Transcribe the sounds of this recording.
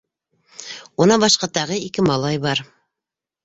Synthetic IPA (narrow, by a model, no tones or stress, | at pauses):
unɑbɑʃqɑt̪ɑʁɤikɘmɑlˠɑjbɑɾ